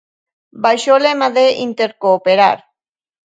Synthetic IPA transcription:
bajʃolemaðeʔint̪eɾkoːpeɾa̰ɾ

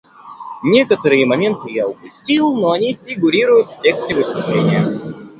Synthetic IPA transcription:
nʲe̞kət̪əɾɨjəmɐmʲe̞nt̪ɨjaʊpʊsʲtʲilˠnoɐnʲifʲɪɡʊɾʲiɾʊjʊt̪ftʲe̞ksʲtʲɪvɨst̪ʊplʲenʲɪjə

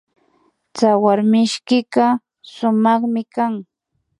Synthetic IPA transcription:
t͡sawaɾmɪʃkɪɢɑ | sʊmɑχmɪkaŋ

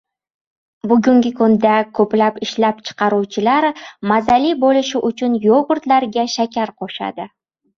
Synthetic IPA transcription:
bʊɡʊŋɡʲɪkʰʊnd̪akʰɵplapɪʃlap̚t͡ʃʰɨ̥qʰɑɾut͡ʃʰɪlaɾmazalibolɪʃɪʔʊt͡ʃʰʊnjoʁʊɾt̪laɾɡʲaʃakʲaɾqʰoʃa̰d̪ɪ

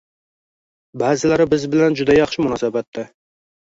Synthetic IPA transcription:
bæːzɪlæɾɪbɪzbɪlɛnd͡ʒud̪ɛjɑχʃɪmʊnɑːsɑbɛt̪ʰːɛ

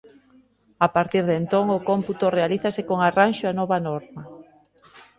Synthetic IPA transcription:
apaɾt̪iɾðent̪oŋʊkomput̪orealiθasekoŋaranʃoanɔβanɔɾmɐ

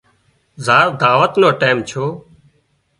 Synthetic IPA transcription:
zaːɾd̪aːʋət̪noːʈeːmt͡ʃʰoː

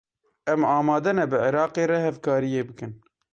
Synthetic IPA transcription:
ʔɛmɑːmɑːd̪ɛnɛbɨʕɪɾɑːqeːɾɛhɛvkɑːɾijeːbɨkɨn

